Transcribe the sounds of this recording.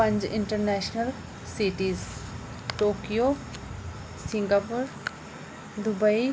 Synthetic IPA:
pɐ̃ɲd͡ʑɪ̰̃ɳʈəɾnɛːʃnəl | siʈiːz | ʈoːkijo | sɪ̃ŋɡaːpuɾ | d̪ʊbəi

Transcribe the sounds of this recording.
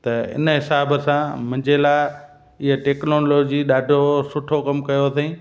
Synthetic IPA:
t̪ɐɪ̰nəɦɪsaːbəsãmɐ̃ɲd͡ʑelaː | ɪɦəʈeːknoːloːd͡ʑiɗaːɖʱosʊʈʰokɐmkɐjot̪ʰɐĩː

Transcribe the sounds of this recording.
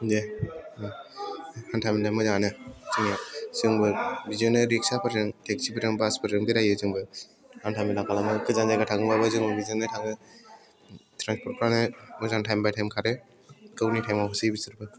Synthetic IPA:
d͡ʒe | hantʰamidamɯzanɯzɯŋasɯŋbɯbizɯnɯɾiksapʰɯɾɯŋtʰek̚sipʰɯɾɯŋbaspʰɯɾɯŋɡɯɾajɯzɯŋbɯ | hantʰamilakalamɯkɯzanzajɡatʰaɡɯbabɯzɯŋbɯbizɯnɯtʰaŋɯ | tʰɾanspʰɔɾ̚pʰɾanɯmɯzaŋtʰajmbajtʰajmkʰaɾɯ | kɯwnitʰajmapʰɯsɯjbisɯɾpʰɯ

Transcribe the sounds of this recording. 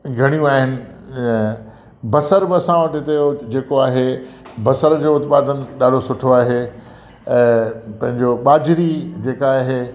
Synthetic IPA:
ɡʱɐɽ̃ijũaːɦɪnɪ̆ | bɐsəɾbɪɐsãʋəʈɦɪt̪eod͡ʑeːkoaːɦebɐsəɾd͡ʑoːʊt̪paːd̪ənɪ̆ɗaːɖʱosʊʈʰoaːɦẽː | pɐ̃ɦɪ̃ɲd͡ʑoɓaːd͡ʑɪɾid͡ʑeːkaːɦeː

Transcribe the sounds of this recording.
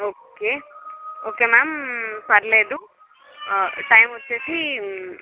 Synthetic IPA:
oːke | okemampɐɾled̪u | ʈajmoetʰi

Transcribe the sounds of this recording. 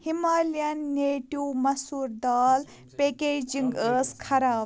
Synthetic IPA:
himaːljɐnːeːʈuːmɐsuːɾd̪aːl | pekeːd͡ʒiŋɡəːskʰɐɾaːb

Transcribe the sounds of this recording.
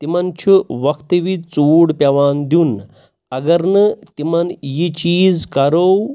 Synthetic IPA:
t̪imant͡ɕʰuʋəkʰt̪əʋit͡suːɽpʲaʋand̪uːn | əɡəɾnət̪imanjit͡ɕiːd͡zkaɾow

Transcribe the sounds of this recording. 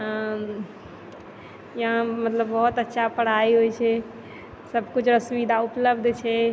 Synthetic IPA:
jɦãmət̪ləbːɔɦt̪ətːʃʰapəɽ̤aiɦojt͡ʃʰɛ | səbʱkut͡ʃʰɾəsuʋid̪ʱaʊpləbd̪ʱt͡ʃʰɛ

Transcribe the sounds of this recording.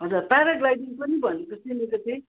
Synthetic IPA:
ɦʌ̃d͡zʌrpaɾaɡlajdiŋpʌnibʱʌnekosimekot̪ʰe

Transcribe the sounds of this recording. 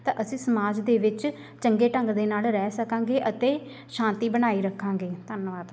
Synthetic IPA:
t̪ã̰ːʔəsĩːsəmaːd͡ʒd̪eːʋɪt͡ʃ | t͡ʃəŋɡeːʈə̃ŋɡd̪eːnaːlɾɛːsəkãːŋɡeːʔət̪eː | ʃãːnt̪iːbəñaːiːɾəkʰːãːŋɡeːt̪ənʋaːd̪

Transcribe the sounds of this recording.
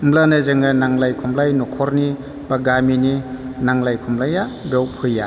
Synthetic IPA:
mlanɯzɯŋɯnaŋlajkʰɔmlajnɔkʰɔɾni | baɡamininaŋlajkʰɔmlajabɔwpʰɯja

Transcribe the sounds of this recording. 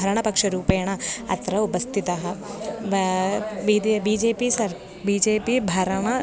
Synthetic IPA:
ɐɾɐɳ̃ɐpɐkʂɐɾuːpeːɐɳ̃ɐɐ̰t̪ɾɐupɐst̪ʰit̪ɐɦɐ̆ | id̪biːd͡ʒeːpisɐɾ | biːd͡ʒeːpibʱɐɾɐɳɐ

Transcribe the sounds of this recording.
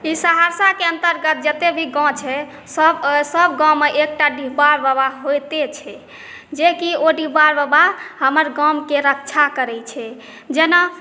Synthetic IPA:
isəɦaɾsakeənt̪əɾɡət̪̚d͡ʒət̪ebʱiɡɔ̃t͡ʃʰɛ | səbsəbɡãmeʔek̚ʈaɖiɦbaɾbəbaɦɦojt̪et͡ʃʰɛ | d͡ʒekioɖibaɾbəbaɦɦəməɾɡãmkeɾək̚t͡ʃʰakəɾɛt͡ʃʰɛ | d͡ʒena

